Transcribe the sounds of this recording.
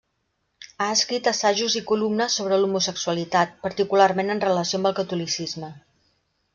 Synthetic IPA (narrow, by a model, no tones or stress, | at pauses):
aəskɾit̪əsaʒuzikulumnəsːoβ̞ɾəlumusəksuəlit̪at̪̚pəɾt̪ikularmenənrələsiombəlˠkət̪ulisizmə